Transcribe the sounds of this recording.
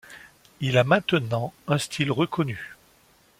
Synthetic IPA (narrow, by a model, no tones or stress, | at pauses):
ilamɛ̃t̪ənɑ̃ɛ̃st̪ʰilʁəkʰɔny